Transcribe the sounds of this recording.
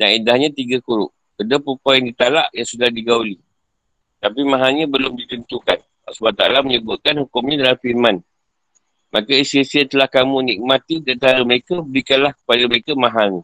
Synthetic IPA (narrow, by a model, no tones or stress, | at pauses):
danidahɲãt̪iɡakuɾʊ̰ʔ | kədapupajaŋdit̪ala̰ʔjaŋsudahdiɡauli | t̪apimãɦaɲãbəlʊmdit̪ənt̪ukan | a̰subat̪a̰laməɲəbʊt̪̚kanhukʊmɲãdalafirman | mʔakaisesiat̪əlahkamũnik̚mat̪idiant̪aɾaməɾekabəɾikanlahkə̥padaməɾekamãɦani